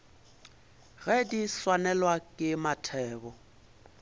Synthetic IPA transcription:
ɣɛdiswanɛlwakʼɪmatʰɛːbɔ

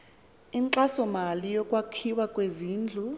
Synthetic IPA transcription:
iŋǀasɔmalijɔkʼwakʰiwakʼweziːnd͡ɮʱu

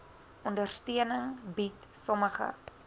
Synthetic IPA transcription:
ɔndərstiənəŋbitsɔməχə̰

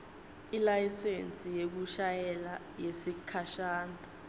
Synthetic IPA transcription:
ilajisent͡sʼijek̬uʃajɛla | jesikʰaʃaːndʱa

